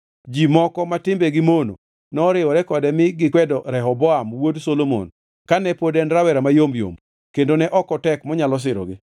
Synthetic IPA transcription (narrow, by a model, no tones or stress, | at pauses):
d͡ʒimɔkɔmatɪmbɛɡɪmono̰ | nɔɾɪwɔɾɛkɔdɛmɪɡɪkwɛdɔɾɛɦɔbɔamwodsolomo̰n | kanɛpodɛnɾawɛɾamajomjo̰m | kendonɛʔɔkɔtɛkmɔɲalɔs̬ɪɾɔ̰ɡɪ